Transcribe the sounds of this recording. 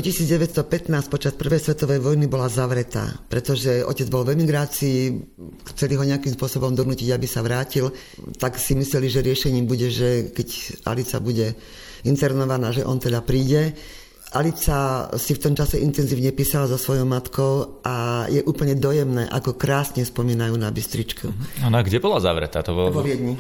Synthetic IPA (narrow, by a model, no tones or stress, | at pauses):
ɔcisiːd͡zɟɛʋɛt̪st̪ɔpɛt̪naːsc̚pɔt͡ʃaspr̩ʋɛjsʋɛt̪ɔʋɛjʋɔjnibɔlazaʋɾɛt̪a̰ːpɾɛt̪ɔʒɛɔ̰cɛd͡zbɔlʋɛmiɡɾaːt͡siː | xt͡sɛliɦɔɲɛakiːmspʊɔsɔbɔmd̪ɔnuːciɟabisaʋɾaːcil | t̪aksimislɛliʒɛɾɪɛʃɛɲiːmbuɟɛʒɛkɛcʔa̰lit͡sa̰buɟɛ | int̪ɛɾnɔʋanaːʒɛʔɔnt̪ɛd̪apɾiːɟɛ | ʔalit͡sasift̪ɔmt͡ʃasɛʔint̪ɛnziːʊɲɛpiːsalazɔsʋɔjɔʊmat̪kɔʊʔajɛʔuːpl̩ɲɛd̪ɔjɛmnɛ̰ːʔa̰kɔkɾaːsɲɛspɔmiːnajuːnabist̪ɾit͡ʃkʰuanaɡɟɛbɔlaza̰ʋɾɛ̰t̪a̰ːt̪ɔbɔʋɔʋɪɛd̪ɲi